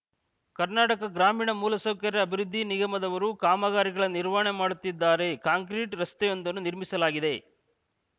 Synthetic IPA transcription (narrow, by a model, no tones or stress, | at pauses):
kɐɾnaːʈɐkɐɡɾaːmiːɳɐmuːlɐsoːkɐɾɐɐbʱiɾud̪ʱːiniɡɐmɐd̪ɐʋɐɾukaːmɐɡaːɾiɡɐɭɐniɾʋaɳemaːɽut̪ːid̪ːaːɾe̞kaːŋkɾiʈɾɐst̪ɛjo̞nd̪ɐnːuniɾmisɐlaːɡid̪e̞